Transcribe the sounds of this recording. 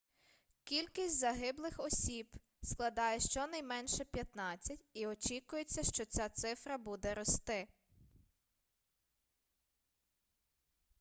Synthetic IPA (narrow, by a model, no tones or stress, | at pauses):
kʲilʲkʲisʲtʲzɐɦɪblˠɪxɔsʲib | sklˠɐd̪ɑjɛʃt͡ʃɔnɐjmɛnʃɛpʲjɐt̪nɑt͡sʲːɐtʲiɔt͡ʃikʊjet͡sʲːɐʃt͡ʃɔt͡sʲat̪sɪfɾɐbud̪ɛɾɔst̪ɪ